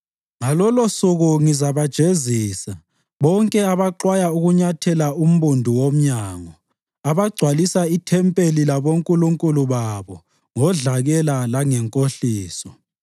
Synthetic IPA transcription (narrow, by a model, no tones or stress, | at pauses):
ŋalɔlɔsuɣuŋizaβad̥ʒ̥ʱeziːsa | βɔŋkʼɛaβaǃwajauɣuɲatʰɛlaum̩βundʱuwom̩ɲaːŋɔ | aβaɡ͡ǀʱwalisaitʰɛmpʼelilaβoŋkʼuluŋkʼuluβaβɔ | ŋɔɮaɣɛlalaŋɛŋkʼoɬiːsɔ